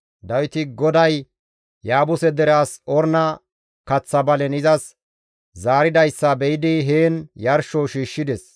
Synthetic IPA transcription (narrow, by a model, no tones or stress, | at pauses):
d̪ɐwɪt̪ɪɡɔd̪ɐj | jaːbʊsɛd̪ɛɾaːsɔɾnɐ | kɐt͡sːɐbɐlɛnɪzɐs | zaːɾɪd̪ɐjsːɐbɛjɪd̪ɪɦeːnjɐɾʃɔʃiːʃːɪd̪ɛs